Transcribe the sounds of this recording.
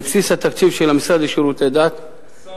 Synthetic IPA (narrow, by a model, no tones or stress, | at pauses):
fsisat̪akt͡sivʃelamisʁad̪ʃiɾut̪ed̪at̪